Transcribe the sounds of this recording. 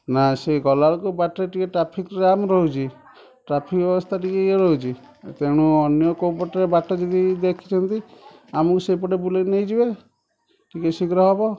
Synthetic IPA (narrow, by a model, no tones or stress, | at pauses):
naseɡɔlaɾkubaʈɾeʈikeʈɾapʰikɾamɾɔɦut͡ʃʰi | ʈɾapʰikbjɔbɔst̪ʰaʈikeeɾɔɦut͡ʃʰi | t̪eɽ̃uɔnjɔkowpɔʈɾebaʈɔd͡ʒɔd̪id̪ekʰi̥t͡ʃʰɔnt̪iamɔkusepɔɽebulenejd͡ʒibe | ʈikesikɾɔɦɔbɔ